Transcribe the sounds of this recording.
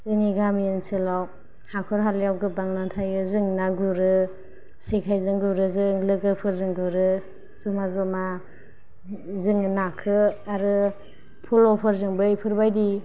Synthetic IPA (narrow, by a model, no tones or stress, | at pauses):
z̥ɯniɡamiɯnsɯlaw | hakʰɔɾɦaljawɡɯbaŋnantʰajɯzɯŋnaɡuɾɯ | sikʰajzɯŋɡuɾɯzɯŋlɯɡɯpʰɯɾzɯŋɡuɾɯ | sumazɔma | zɯŋnakʰɯaɾɯ | pʰulɔpʰɯɾzɯŋbɯjpʰɯɾbajdi